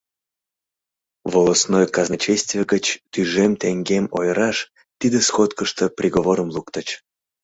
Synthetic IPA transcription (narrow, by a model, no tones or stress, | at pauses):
volˠosnojkɑznɑt͡ɕesʲt̪vʲijeɡət͡ɕt̪yʒemt̪eŋɡemo̰jɾɑʃ | t̪id̪esxot̪kəʃt̪əprʲiɣoβoɾəmlˠukt̪ət͡ɕ